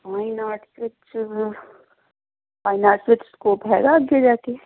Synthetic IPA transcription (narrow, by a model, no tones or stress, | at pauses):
aːinaːʈsʋɪt͡ʃ | faːɪnaːsʋɪt͡ʃskoːpɦɛːɡaɡed͡ʒaːt̪iɛ